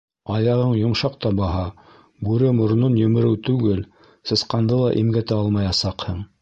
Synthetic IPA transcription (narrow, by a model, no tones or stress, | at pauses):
ɑjɑʁɤɴjŏmʃɑq̚t̪ɑbɑɦɑ | bʉɾɘmŏɾnonjɵ̆mɘ̆ɾɘwt̪ʉɡɘl | sɤ̆sqɑnd̪ɤlˠɑʔimɡæt̪æɑlˠmɑjɑsɑqhɤɴ